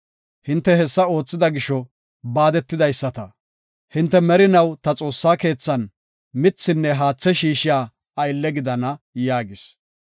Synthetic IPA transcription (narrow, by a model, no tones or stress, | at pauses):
hɪnt̪ːɛhɛsːɐo̞ːt͡sːɪd̪ɐɡɪʃɔ | baːd̪ɛt̪ːɪd̪ɐjsːɐt̪ɐ | hɪnt̪ːɛmɛɾɪnɐwt̪ɐt͡sʼo̞ːsːaːke̞ːt͡sːɐn | mɪt͡sːɪnːɛɦaːt͡sːɛʃiːʃɪjaː | ɐjlːɛɡɪd̪ɐnɐjaːɡɪs